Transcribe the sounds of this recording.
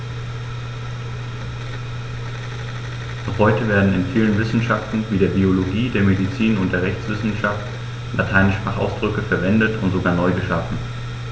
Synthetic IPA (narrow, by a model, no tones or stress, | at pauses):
ʔaʊχhɔʏtəveːɐdn̩ɪnfiːlənvɪsn̩ʃaftn̩viːdeːɐbioloɡiːdeːɐmedit͡siːnʊntd̥eːɐʁɛçt͡sv̥ɪsn̩ʃaft | lʔatʰaɪnəʃpʁ̥aːχa̰ʊsd̥ʁʏkəfɛɐvɛndətʰʊntz̥oɡaːɐnɔʏɡəʃafn̩